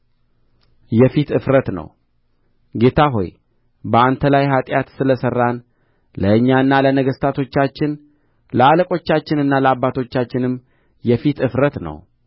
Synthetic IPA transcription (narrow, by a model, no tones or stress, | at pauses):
jɛfit̪ɨfɾət̪nə̰w | ɡe̞t̪ʰaɦo̞̰j | bəant̪ʰəlajɦat̪ʼjat̪sɨləsərːan | ləɨɲːaɨnːalənəɡəst̪ʰat̪ʰo̞t͡ʃːat͡ʃːɪn | ləaləkʼo̞t͡ʃːat͡ʃːɪnɨnːaləabːat̪ʰo̞t͡ʃːat͡ʃːɪnɨmː | jɛfit̪ɨfɾət̪nə̰w